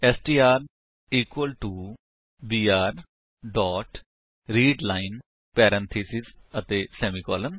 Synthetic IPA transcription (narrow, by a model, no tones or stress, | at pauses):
ɛːsʈiːaːɾ | iːkwəlʈuː | biːaːɾ | ɖɔːʈ | ɾiːɖlaːɪn | pɛːɾɛ̃nt̪ʰiːsɪsət̪eːsɛːmikɔ̰ːlən